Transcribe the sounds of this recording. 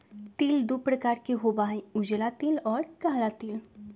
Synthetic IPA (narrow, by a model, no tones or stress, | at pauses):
t̪iːld̪upɾəkaːɾkeɦobaːĩʊd͡ʒlat̪iːlɔːɾkaːlat̪iːl